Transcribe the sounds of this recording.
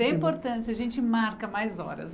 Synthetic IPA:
ɛ̃ĩmpoɾt̪ɐ̃sɪɐʒẽnt͡ʃɪmaɾkɐmajzɔ̰ɾɐ̰s

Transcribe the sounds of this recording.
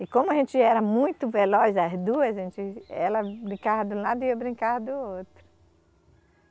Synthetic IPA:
ɪkõmʊɐʒẽnt͡ʃɪɛɾɐmũj̃t̪ʊvelɔsɐzd̪uɐzʒẽnt͡ʃɪɛlɐbɾĩkaɾɐd̪ũlad̪ʊiɐbɾĩŋkaɾd̪ʊot̪ɾʊ

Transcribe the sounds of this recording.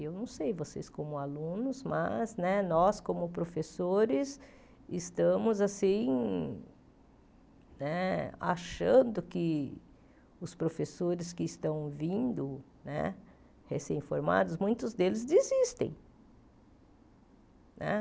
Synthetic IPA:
ewnɐ̃w̃sejvosḛskõmʊalũnʊzma̰znɛnɔskõmʊpɾofesoɾɪs | ɪst̪ɐ̃mʊzasĩ | nɛa̰ʃɐ̃nd̪ʊkɪ | ʊspɾofesoɾɪskɪːst̪ɐ̃w̃vĩnd̪ʊ | nɛ̰ | hesẽj̃foɾma̰d̪ʊsmũj̃t̪ʊzd̪elɪzd̪izist̪ḛ̃j̃ | nʔɛ̰

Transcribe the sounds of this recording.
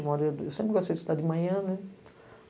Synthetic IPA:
mɔɾiewsẽpɾɪɡost̪ejsd̪ad̪ɪmɐ̃j̃ɐ̃nɛ

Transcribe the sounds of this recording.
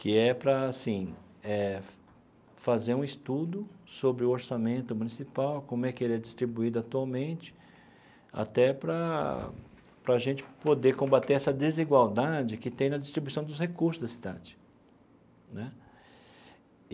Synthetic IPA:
kɪɛpɾɐːsĩ | ɛ | fazeɾũist̪ud̪ʊsobɾɪʊoɾsamẽnt̪ʊmũnisipawkõmʊɛkɪelɛd͡ʒist̪ɾibuid̪ʊat̪uawmẽt͡ʃɪ̥ | a̰t̪ɛpɾɐ | pɾɐːʒẽnt͡ʃɪ̥pod̪eɾkõbat̪eɾɛsɐd̪eziɡwawd̪ad͡ʒɪkɪt̪ẽj̃nɐd͡ʒist̪ɾibuisɐ̃w̃d̪ʊshekuɾsʊzd̪ɐsi̥d̪ɐ̰̃t͡ʃɪ̥ | nɛ

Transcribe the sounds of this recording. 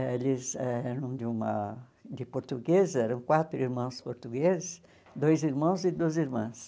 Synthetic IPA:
elɪzɛɛɾɐ̃w̃d̪ɪũmɐ | d̪ɪpoɾt̪uɡezɛɾɐ̃w̃kwat̪ɾʊiɾmɐ̃w̃spoɾt̪uɡezɪs | d̪ojziɾmɐ̃w̃zɪd̪oziɾmɐ̃s

